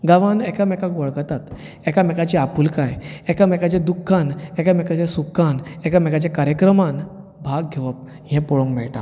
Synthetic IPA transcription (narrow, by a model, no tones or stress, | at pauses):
ɡaʋanɛkamɛkakʋɔɭkət̪at̪ | ɛkamɛkat͡ɕiapuːlkajɛkamɛkat͡ɕẽd̪ukʰːanɛkamɛkat͡ɕesukʰːanɛkamɛkat͡ɕakaɾjəkɾəman | bʱaɡɡʱeʋəp̚ | ɦɛ̃pɔɭɔ̃ŋkmɛɭʈ̪a̰